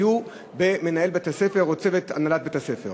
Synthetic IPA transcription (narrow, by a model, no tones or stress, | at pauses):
u | be̞menae̞lbet̪asefe̞ʁot͡sevet̪a̰nalat̚bet̪asefeʁ